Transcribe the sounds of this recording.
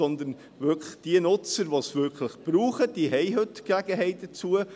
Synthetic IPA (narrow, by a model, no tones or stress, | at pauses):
ɔnd̪ən | ʋʏɾkʰləχd̥iənʊt͡səɾʋosʋʏɾkʰləχb̥ɾuːχəd̥iɦɛɪɦɵtkæɡ̥əɦɛɪt̚d̥ət͡suə